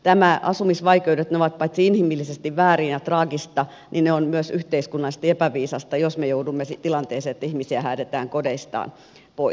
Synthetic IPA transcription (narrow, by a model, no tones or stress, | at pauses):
t̪æmæʔɑsumisʋɑikeudet̪neoʋɑt̪̚pɑit̪siinhimilːisest̪iʋʋæːriːnjɑt̪rɑːɡist̪ɑ | nineonmyøsyht̪eiskunːɑlːist̪epæʋiːsɑst̪ɑjosmejoudumːesit̪ilɑnt̪eːseːet̪ːæihmisiæhæːt̪et̪æːŋkodeist̪ɑ̰ːn | poi